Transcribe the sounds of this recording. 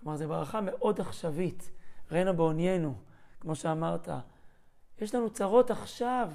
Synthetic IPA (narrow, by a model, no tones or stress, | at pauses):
klomaʁzebʁaχame̞ʔo̞daχʃavit̪ʁenabeonjenu | kmo̞ʃeamaʁt̪a̰ | jeʃlanut͡saʁo̞taχʃav